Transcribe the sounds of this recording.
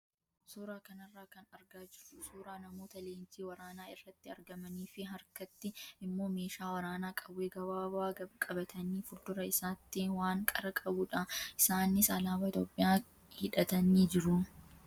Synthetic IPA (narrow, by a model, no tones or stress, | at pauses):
suːɾaːkɐnɐrːaːkɐnɐɾɡaːd͡ʒɪɾʊsuːɾaːnɐmo̞ːt̪ɐleːnd͡ʒiːwɐɾaːnaːɪrːɐt̪ːɪɐɾɡɐmɐniːfɪɦɐɾkɐt̪ːɪɪmːo̞ːme̞ːʃaːwɐɾaːnaːkʼɐbːeːɡɐbaːbaːɐkʼɐbɐt̪ʰɐniːfʊɾd̪ʊɾɐɪsaːt̪ːiːnwaːŋkʼɐɾɐkʼɐbʊːᶑɐʔɪsaːnːɪsaːlaːwɐːɪt̪oːpʼːɪjaː | hɪᶑɐt̪ɐniːd͡ʒɪɾʊ